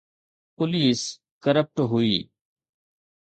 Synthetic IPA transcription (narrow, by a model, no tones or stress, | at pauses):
pʊliːs | kəɾəp̚ʈɦʊiː